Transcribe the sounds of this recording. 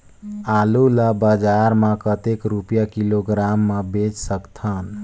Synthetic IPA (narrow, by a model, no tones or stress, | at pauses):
aluləbəd͡ʒaɾmə̃kət̪ekɾupjakiloɡɾamːebet͡ʃsəkt̪ʰən